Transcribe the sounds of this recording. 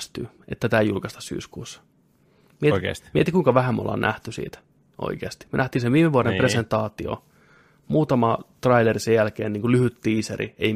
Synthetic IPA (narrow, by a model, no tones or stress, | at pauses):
st̪yː | et̪ːæt̪æːjulkɑst̪ɑ̥ssy̰ːskuːsːɑ̥ | miḛsmet̪ikuiŋkɑʋæhæmo̰lːɑ̰ːnnʔæ̰ht̪ysḭːt̪æ̥ | ʔo̰ikeːst̪i̥myø̰næht̪inseʋiːmeʋuɑɾempresent̪ɑːt̪io̰ | muːt̪ɑmɑt̪rɑilerisejjælkeːniːŋkulyhyt̪ːiːisḛrḭḛi